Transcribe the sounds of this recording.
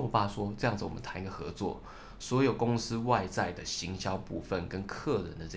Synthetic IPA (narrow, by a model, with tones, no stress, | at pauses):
pa˥˧ʂwɔ˥t͡sɤ˥˧jɑ˥˩ŋd͡z̩˨wɔ̰˨mə̰˦nt̪ʰa˧˥ŋi˧˥ɡə˨xɤ̰˧˥˦t͡swɔ̰˥˨ | swɔ˧˥jo˨˩ʊkʊ˥ŋsɹ̩˥wa˥˧ɪt͡sa˥˩ɪd̪ə˩ɕi˧˦˥ŋɕjɑ˥ʊpu˥˧fə˨˩nkə˦nkʰɤ˥˩ɻə̰˧˦nd̪ə˨˥˧